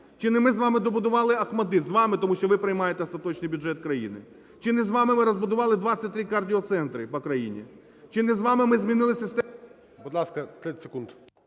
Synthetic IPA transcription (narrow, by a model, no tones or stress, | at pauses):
t͡ʃɪnɪmɪzʋɑmɪd̪ɔbʊd̪ʊʋɑlˠɪɐxmɐd̪ɪzʋɑmɪt̪ɔmuʃt͡ʃɔʋɪpɾɪjmɑjet̪ɛst̪ɐt̪ɔt͡ʃnɪjbʲʊdʒɛt̪kɾɐjḭnɪ | t͡ʃɪnɛzʋɑmɪmɪɾɔzbʊd̪ʊʋɑlˠɪd̪ʋɑt͡sʲːɐt̚ʲt̪ɾɪkɐrdʲiɔt̪sɛnt̪ɾɪpɔkɾɐjḭnʲḭ | t͡ʃɪnɛzʋɑmɪmɪzʲmʲinɪlˠɪsʲɐst̪ | bud̪lˠɑskɐt̪ʲɛsekunt̪